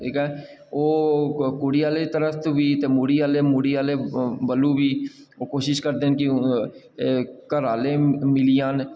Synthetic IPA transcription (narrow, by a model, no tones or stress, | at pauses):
iːkɛː | oːkuːɽiːaːleːt̪əɾəfʰt̪ːʋiːt̪eːmuːɽiːaːleːmuːɽiːaːleːbəlːũːʋiː | oːkoːʃɪʃkəɾd̪eːnkɪ | kəɾaːleːmɪlijãːn